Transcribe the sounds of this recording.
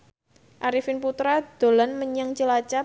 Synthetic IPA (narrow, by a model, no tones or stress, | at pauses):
ʔaɾifɪnput̪ɾad̪̥o̤lanməɲaŋt͡ʃəlat͡ʃa